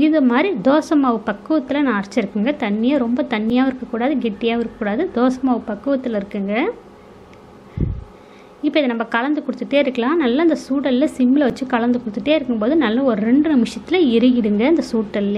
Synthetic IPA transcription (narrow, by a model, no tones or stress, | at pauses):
ɪðɯmaːd̪ɾid̪oːsɐmaːʋɯpɐkːɯʋɐt̪ːɪlɐnaːɐɾt͡ʃːɪɾɯkːɯŋɡɐt̪ɐɳːɪjaːɾɔmbɐt̪ɐɳːɪjaːʋɪɾɯkːɐkːuːɽaːðɯɡɛʈːɪjaːʋɪɾɯkɐkːuːɽaːðɯd̪oːsɐmaːʋɯpɐkːɯʋɐt̪ːɪlɪɾɯkːɯŋɡɐ | ɪpːoːɪðɐnɐmːɐkɐlɐnd̪ɯkɔɽɯt̪ːɯʈːeːɪɾɯkːɐlãːnɐlːaːɪnd̪ɐsuːʈːɐlɪlɐsɪmːɪlɐʋɐt͡ʃːɯkɐlɐnd̪ɯkɔɽɯt̪ːɯʈːeːɪɾɯkːɯmpoːðɯnɐlːɐɔɾɯɾɛɳɖɯnɪmɪʂjɐt̪ːɪlɐɪɾɯjɪɽɯŋɡɐɐɪnd̪ɐsuːʈːɐlɪ